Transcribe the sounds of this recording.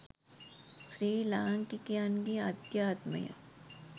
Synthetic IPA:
sɾiːlaːŋkikjaːnɡiaːd̪jaːt̪mə̰jɐ̰

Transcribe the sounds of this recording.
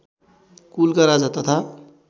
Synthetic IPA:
kulkaɾad͡zat̪ʌt̪ʰa

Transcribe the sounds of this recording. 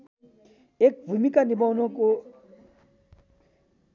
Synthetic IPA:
ek̚vumikandimaunoko

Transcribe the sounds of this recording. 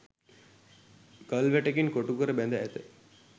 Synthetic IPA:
kəlʋɛʈekinkoʈukuɾəbɛnd̪aɛt̪e

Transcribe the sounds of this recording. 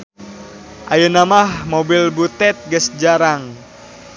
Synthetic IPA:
ʔajənamahmobilbut̪ɛt̪̚ɡəsd͡ʒaɾaŋ

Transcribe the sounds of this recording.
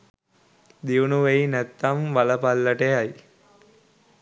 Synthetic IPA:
d̪iunuʋeinæt̪ːamʋaləpalːəʈejaj

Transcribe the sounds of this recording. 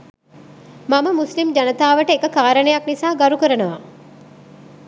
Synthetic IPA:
maməmuslimd͡ʒanət̪aːʋəʈəekəkaːɾənəjaknisaːɡaɾukəɾənəʋa

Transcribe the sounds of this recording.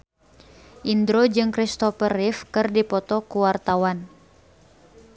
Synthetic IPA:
ʔindɾod͡ʒɨŋkɾist̪ɔfərifkɨrdipɔt̪ɔkuwart̪awan

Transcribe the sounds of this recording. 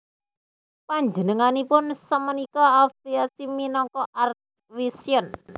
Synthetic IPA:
paɲd͡ʒənəŋanipʊnsəmənikɔafiasiminɔŋkɔʔart̪̚ | wisiən

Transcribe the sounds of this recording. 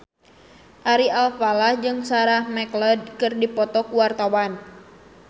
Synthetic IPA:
ʔaɾialfalahd͡ʒɨŋsaɾahmɛkləd̚kɨrdipɔt̪ɔkuwart̪awan

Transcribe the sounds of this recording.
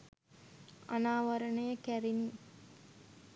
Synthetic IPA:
a̰naːʋəɾənəjəkæɾini

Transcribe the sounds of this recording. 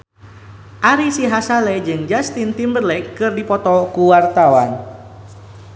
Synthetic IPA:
ʔaɾisiɦasaled͡ʒɨŋd͡ʒast̪int̪imbərlɛkːɨrdipɔt̪ɔkuwart̪awan

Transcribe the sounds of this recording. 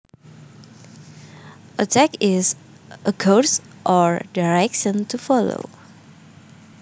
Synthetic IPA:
ʔətʰɛkɪs | ʔəkʰoɹs | ʔɔɹdaɹɛkʃə̃ntʰufɔlo̰

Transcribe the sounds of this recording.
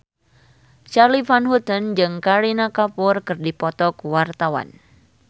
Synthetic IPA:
t͡ʃarlifanɦut̪ənd͡ʒɨŋkaɾinakapʊrkɨrdipɔt̪ɔkuwart̪awa̰n

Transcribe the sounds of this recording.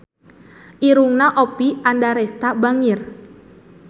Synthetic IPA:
ʔiɾuŋnaʔopiandaɾɛst̪abaŋɪr

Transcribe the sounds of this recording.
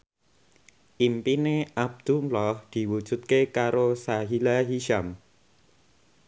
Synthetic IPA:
ʔimpineʔab̚d̪̥umlɔhd̪̥i̤wud̥ʒ̥ṳt̪̚kekaɾosaɦilaɦiʃam

